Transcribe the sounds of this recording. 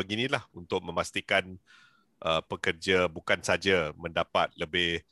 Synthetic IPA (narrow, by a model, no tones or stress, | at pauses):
əɡinĩlahunt̪ʊk̚mə̃mast̪ikan | ʔəpəkərd͡ʒabukansad͡ʒamə̃ndapa̰t̪̚ləbɪh